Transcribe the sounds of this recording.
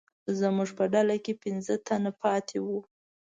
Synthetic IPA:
zəmuʐpəɖalakepɪnzət̪anapɑt̪ʰewu

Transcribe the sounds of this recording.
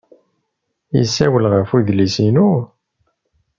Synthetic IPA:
jḭsːæwəlʁəfuðlisinu

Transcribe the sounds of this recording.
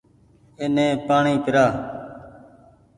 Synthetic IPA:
eːnẽːpaːɳiːkəɾaː

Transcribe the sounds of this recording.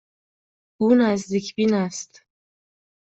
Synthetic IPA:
uːnæzd̪iːcʰbinæst̪

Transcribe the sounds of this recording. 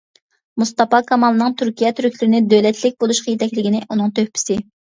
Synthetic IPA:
must̪ɑpɑkʰɑmɑlˠɨnɨŋt̪ʰyɾkʲijɛt̪ʰyɾykʲlyɾɪnɪd̪ølɛt̪ʰlɪk̚ʲbolˠuʃqɑjet̪ʰɛkʲlɪɡʲinɪʔunɨŋt̪ʰøhpʰɪ̥sɪ

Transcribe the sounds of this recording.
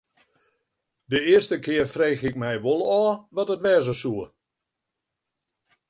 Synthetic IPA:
dəɪəstəkʰɪərfreːxɪkmɛjʋolˠɔːʋɔtətʋɛːzəsuə

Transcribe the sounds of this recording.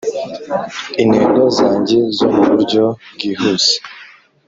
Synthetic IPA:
inheːŋɡozaːɲɟe̞zomuβuɾɟo̞ɡiːhuse̥

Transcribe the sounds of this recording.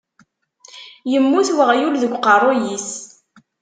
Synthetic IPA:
jəmːuθwəʁjulðəɡʷqɑrˤojis

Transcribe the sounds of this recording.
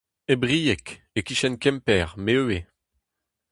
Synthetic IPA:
ebʁijɛk | ekiʃɛnkɛmpɛːʁmeøe

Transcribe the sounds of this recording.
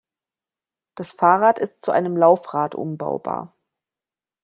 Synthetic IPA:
d̥asfaːʁaːtɪstt͡suʔa̰ɪnəmlaʊfʁaːtʔʊ̰mba̰ʊba̰ːɐ

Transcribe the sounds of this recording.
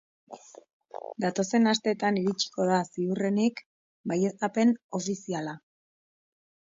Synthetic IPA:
d̪at̪o̞se̞nast̪e̞ːt̪aniɾit͡ʃi̥ko̞ð̞asiure̞nik | baje̞st̪ape̞no̞fisiala

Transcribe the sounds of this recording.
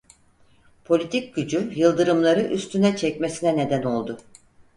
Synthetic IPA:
pʰo̞lʲit̪ʰic̚ɟ̥yd͡ʒyjɯlˠd̪ɯɾɯmlˠaɾɯʔyst̪ʰynɛt͡ʃʰɛcmesinɛne̞d̪æno̞lˠd̪ʊ

